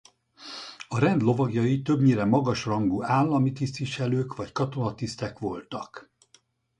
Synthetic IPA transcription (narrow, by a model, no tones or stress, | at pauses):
ɒɾɛnd̪lo̞vɒɡjɒjit̪ø̞bɲiːɾɛmːɒɡɒʃrɒŋɡuːaːlːɒmit̪ist̪iʃɛløːkʋɒckɒt̪o̞nɒt̪ist̪ɛkʋo̞lt̪ɒk